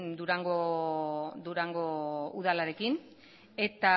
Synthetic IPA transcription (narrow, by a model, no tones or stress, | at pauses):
d̪uɾaŋɡo | d̪uɾaŋɡo̞uðalaɾe̞kin | e̞t̪a